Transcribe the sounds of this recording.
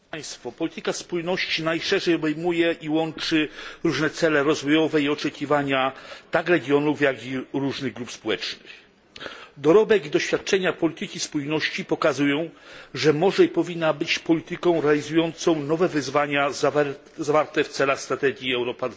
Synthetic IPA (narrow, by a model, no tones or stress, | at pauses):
paj̃st̪fɔpɔlʲit̪ɘkaspujnɔɕt͡ɕinajʂɛʐɛjɔbɛjmujɛʔiwɔnt͡ʂɘɾuʐnɛt̪sɛlɛɾɔzvɔjɔvɛiɔt͡ʂɛkʲivaɲat̪akɾɛɡʲjɔnufjaɡiɾuʐnɘɣɡɾupspɔwɛt͡ʂnɘx | d̪ɔɾɔbɛɡid̪ɔɕfʲjat̪̚t͡ʂɛɲapɔlʲit̪ɘkʲispujnɔɕt͡ɕipɔkazujɔ̃w̃ʐɛmɔʐɛipɔvʲinːabɘt͡ɕpɔlʲit̪ɘkɔ̃w̃ɾɛalʲizujɔnt̪sɔ̃w̃nɔvɛvɘzvaɲa | zavaɾt̪ɛft̪sɛlaxst̪ɾat̪ɛɡʲjiɛwɾɔpad̪v